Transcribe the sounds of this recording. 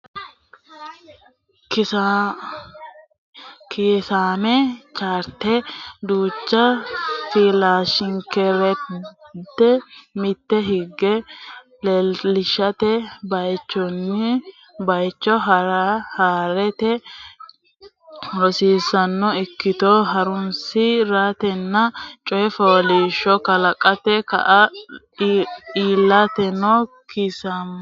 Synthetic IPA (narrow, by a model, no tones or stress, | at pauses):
kɪa | keːsaːmɛt͡ʃaːɾt̪ɛd̪uːt͡ʃːɐfiːlaːʃɪŋkɛɾɛ | t̪ːɛmɪt̪ːɛɦɪɡːɛ | lɛlɪʃːɐt̪ɛbɐjt͡ʃːɔnːɪ | bɐjt͡ʃːɔɦɐɾɐhaːɾɛt̪ɛ | ɾɔsiːsɐnːɔɪkːɪt̪ɔɦɐɾʊnsɪɾat̪ɛnːɐt͡ʃʼɔjɛfoːliːʃɔkɐlɐkʼɐt̪ɛkɐ̰ʔɐ | iːlːɐt̪ɛnɔ | kʰɪsɐm